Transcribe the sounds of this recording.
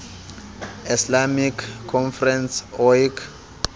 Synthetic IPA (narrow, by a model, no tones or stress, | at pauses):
islamikʰːɔnfrɛnsɔjkʰ